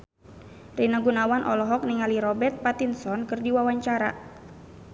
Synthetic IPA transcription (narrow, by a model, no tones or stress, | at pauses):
rinaɡunawanʔɔ̰lɔɦɔk̚niŋaliɾɔbɛrt̪̚pat̪insɔnkɨrdiwawaɲt͡ʃaɾa̰